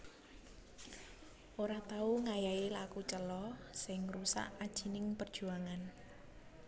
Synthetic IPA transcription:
ʔoɾat̪auŋajaelakut͡ʃəlɔsɪŋrusa̰ʔad̥ʒ̥i̤nɪŋpərd̥ʒ̥ṳaŋan

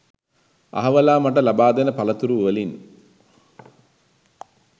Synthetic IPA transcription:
a̰ɦɐʋəlaːmaʈ̬əlabaːd̪enəpalət̪uɾuʋəlin

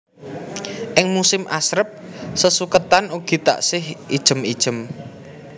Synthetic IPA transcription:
ʔɪŋmusɪmʔasɾəp̚ | səsukət̪anuɡ̥i̤t̪a̰ʔsɪhid̥ʒ̥ə̤mid̥ʒ̥ə̤m

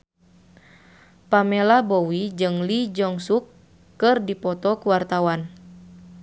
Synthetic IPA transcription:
pamɛlabɔwid͡ʒɨŋlid͡ʒɔŋsukː | ɨrdipɔt̪ɔkuwart̪awan

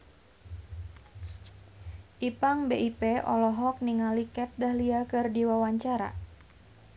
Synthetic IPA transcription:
ʔipaŋbeipeʔɔlɔɦɔk̚niŋalikɛt̪̚dahliakɨrdiwawaɲt͡ʃaɾa̰

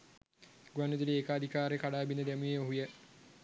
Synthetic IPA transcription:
ɡuwanːud̪iliekaːd̪ʱikaːɾekaɽaːbinːəd̪emujeoɦujə

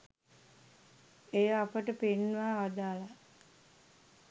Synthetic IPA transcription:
ejəapəʈəpenʋaːʋad̪aːla

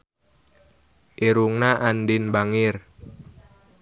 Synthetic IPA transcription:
ʔeɾuŋnaʔanɖɪnbaŋɪr

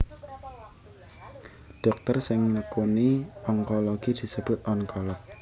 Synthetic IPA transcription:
ɖ̥ɔk̚t̪ərsɪŋnəkoniɔŋkɔloɡ̥id̪̥i̤səb̥ʊt̪̚ʔɔŋkɔlɔt̪̚

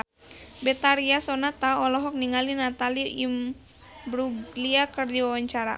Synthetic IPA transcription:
bɛt̪aɾiasɔnat̪aɔlɔɦɔk̚niŋalinat̪aliim | bɾuɡliakərd͡ʒiwawaɲt͡ʃaɾa̰

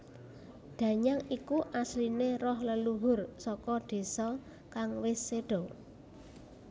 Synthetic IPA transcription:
d̪̥ä̤ɲaŋikuʔaslinerɔhləluɦʊrsɔkɔɖ̪̥e̤sɔ | kaŋwɪsːeɖ̥ɔ̤

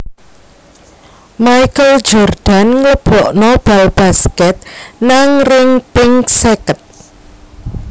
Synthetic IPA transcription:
majkəld͡ʒɔrd̪̥a̤nŋləb̥ɔʔnob̥ɛlb̥askɛt̪̚naŋrɪŋpɪŋsekət̪̚

